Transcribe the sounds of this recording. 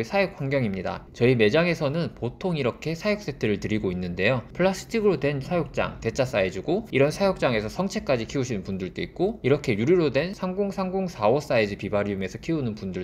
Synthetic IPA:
esʰajek̚ʰwaŋɡjʌŋimɲida̰t͡ɕʌime̞d͡ʑaŋe̞sʰʌnɯnpotʰoŋiɾʌkʰe̞sʰajok̚s͈e̞tʰɯɾɯɭtɯɾiɡoinːɯnde̞jopʰɯɭːas͈ɯ̥tʰiɡɯɾodwe̞nsʰajok̚t͡ɕ͈a̰ŋte̞t͡ɕ͈ʰas͈aed͡ʑuɡoiɾʌnsʰajok̚t͡ɕ͈aŋe̞sʰʌsʰʌŋt͡ɕʰe̞k͈ad͡ʑikʰiuɕʰinɯnpundɯɭt͈oik̚k͈oiɾʌkʰe̞juɾiɾodwe̞nsʰaŋɡoŋsʰaŋɡoŋsʰawʌs͈aed͡ʑipibaɾiume̞sʰʌkʰiunɯnpundɯɭ

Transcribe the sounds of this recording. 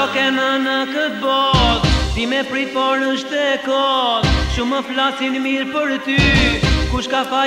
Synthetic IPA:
ɔkɛnənəkət̪̚bɔt̪d̪imɛpɾifɔɾnəʃt̪ɛkɔt̪ʃuməflasinmiɾpəɾt̪ykuʃkafa

